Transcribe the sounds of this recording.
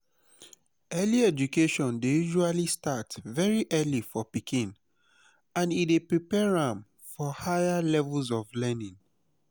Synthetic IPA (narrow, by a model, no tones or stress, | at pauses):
ɛliɛd͡ʒukeʃɔ̃ndejuʒualistatvɛɹiʔɛlifɔpikʰĩn | ãnidepɹipɛɹãm | fɔhajalɛvulzɔvlɛnĩŋ